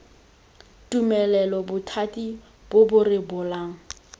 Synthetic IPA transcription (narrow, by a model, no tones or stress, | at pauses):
tʼumɛlɛlɔbʊtʰatʼi | b̥ʊbʊrɪbʊlaːŋ̩